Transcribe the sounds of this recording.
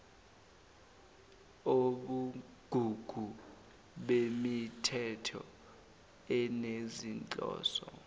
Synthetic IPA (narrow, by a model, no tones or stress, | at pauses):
oɓu | ɡ̥ʱuɡ̥ʱu | ɓemitʰɛtʰɔ | ɛnezint͡ɬʼɔ̰ːsɔ